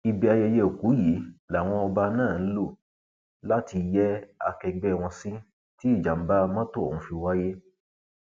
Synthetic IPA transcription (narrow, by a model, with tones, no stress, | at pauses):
i˧bɛ˧a˧jɛ˧jɛ˧o˨ku˨˦ji˨˦la˨w̃ɔ̃˧ɔ˧ba˧nãː˦˨n̩˦lo˦˨ | la˦ti˧jɛ˦a˧kɛ˧ɡ͡bɛ˦˨w̃ɔ̃˧sĩ˦ | ti˦i˦˨d͡ʒa˨m̩˦ba˦mã˦to˦o̰˨ũ˨˧˦fi˧wa˦je˦